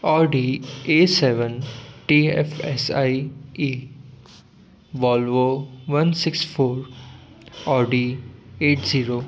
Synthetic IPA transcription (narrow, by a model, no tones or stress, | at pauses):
ɔːɖieːseʋə̃nʈiefesaɪi | ʋɔːlʋoʋɐnsɪksfʰoːɾ | ɔːɖieːʈziːɾoː